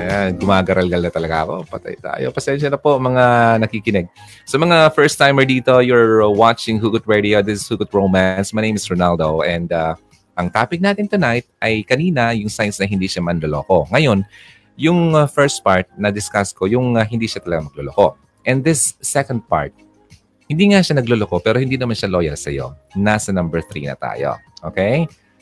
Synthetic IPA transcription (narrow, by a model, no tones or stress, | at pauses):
ɐjaɡʊmaːɡɐɾɐlɡɐlnɐt̪ɐlɐɡaɐko̞̰pɐt̪a̰jt̪a̰ːjo̰pɐsɛnʃɐnɐpomɐŋanɐkikɪnɛɡ̚ | sɐmɐŋafɛɹst̪ːajmɛɹd̪iːt̪o̞jʊɹwat͡ʃɪŋhuɡʊt̪̚ɹɛd̪iod̪ɪsɪshuɡʊt̪̚ɹoːmansmɐjnẽjmɪsɹonald̪oʔɛnd̪a | ʔɐŋt̪aːpɪk̚naːt̪ɪnt̪ʊnajt̪̚ʔɐjkɐniːnɐjʊŋsajnsnɐɦɪnd̪iːʃamɐnloloːko̞ŋɐjo̞n | jʊŋfɛɹst̪̚paɹt̪̚nɐd̪ɪskasko̞jʊŋɐɦɪnd̪iːʃat̪ɐlɐɡamɐɡ̚loloko̞ | ʔɛnðɪsːɛkond̪̚pa̰ɹt̪̚ | hɪnd̪iːŋaʃanɐɡloloko̞pɛːɾohɪnd̪iːnɐmanʃaloːjɐlsɐ̰jo̞̰nasɐnɐmbɛɹθɾḭnɐ̰t̪a̰ːjo̰ | ʔo̰kej